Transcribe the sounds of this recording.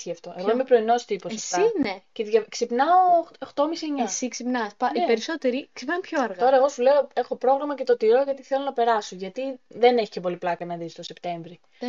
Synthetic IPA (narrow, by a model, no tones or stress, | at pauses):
çiɐft̪o̞eɣoimepɾo̞ino̞st̪iposɐfst̪ineceðʝɐksipnɐoxt̪o̞misieɲɐsiksipnɐspɐʔipeɾiso̞t̪eɾiksipnɐmpçoɐɾɣɐt̪o̞ɾɐeɣo̞sule̞o̞e̞xo̞pɾo̞ɣɾɐmɐce̞t̪o̞t̪iɾo̞ʝɐt̪iθelo̞nɐpe̞ɾɐsoʝɐt̪iðe̞ne̞çi̥cepo̞liplɐkɐnɐðist̪o̞se̞pt̪e̞ɱvɾi